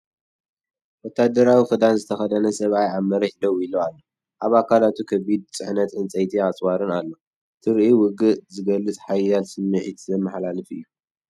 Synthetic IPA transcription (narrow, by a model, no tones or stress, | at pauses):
wɔt̪ʰːad̪ɐɾawixɨd̪anzɨt̪ʰɐxɐd̪ɐnɐsɐβajaβmɐɾɐħd̪ɐwilːoalːo | ʔaβakʰalat̪ʰukʰɐβid̪̚t͡sʼɨħnɐt̪ʔɨnt͡sʼɐjt̪ʰiat͡sʼwaɾɨnalːo̞ | t̪ʰɨɾʔiwʊɡɨʔzɨɡɐlːɨt͡sʼħajalsɨmːɨʕit̪ʰzɐmːɨħlalɨfɨ̰jːu